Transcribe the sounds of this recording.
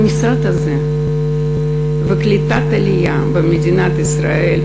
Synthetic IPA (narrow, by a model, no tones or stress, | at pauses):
mʲisat̪ɐzɛ | vɨklʲɪt̪at̪ɐlʲija | bɐmʲɪd̪ʲɪnat̪ɨsɾa̰ɛlʲ